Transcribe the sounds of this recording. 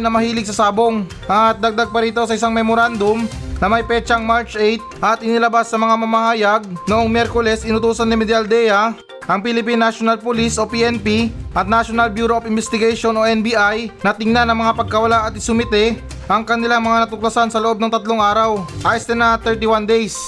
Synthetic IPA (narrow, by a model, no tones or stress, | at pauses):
nɐmɐhiːlɪɡ̚sɐsaːbo̞ŋ | ʔɐt̪̚d̪ɐɡ̚d̪aɡ̚pɐɾiːt̪o̞sɐɪs̬aŋmɛmoɾand̪omnɐmɐjpɛːt͡ʃɐŋmaɾt͡ʃʔejt̪̚ʔɐt̪ʔɪnɪlɐbasːɐmɐŋamɐmɐhaːjaɡ̚noʔo̞ŋmjɛɾkolɛsʔɪnʊt̪uːsɐnːɪmɛd̪ald̪ɛjɐ | ʔɐŋpilɪpinːaʃonɐlpʊlisʔo̞piʔɛnpiʔɐt̪̚naʃonɐlbjuːɾoofɪnbɛst̪ɪɡaʃo̞no̞ʔɛnbiːʔajnɐt̪ɪŋnanɐŋmɐŋapɐɡ̚kɐwɐlaʔɐt̪̚ɪsʊmɪt̪ɛ | ʔɐŋkɐnɪlaŋmɐŋanɐt̪ʊk̚lɐsansɐloʔob̚nɐŋt̪ɐt̪loŋaːɾɐwʔajst̪ɛnɐt̪ɛɹt̪iwand̪ejs